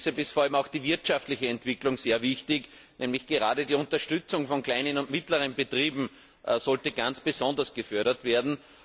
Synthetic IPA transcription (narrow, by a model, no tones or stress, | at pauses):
səbɪstfoɐalmaʊxd̥iːvɪɐtʃaftlɪçəɛntv̥ɪklʊŋz̥eːɐvɪçtɪknʔɛːmlɪçɡ̥əʁaːdədiːʊ̃ntɐʃtʏt͡sʊŋfɔnkl̥æɪnənʊntmɪtləʁ̞ənbətʁiːbm̩ | ʔsɔltəɡ̥ãnt͡sb̥əzɔ̃ndɐsɡ̥əfœɐɾɐtv̥eːɐdn̩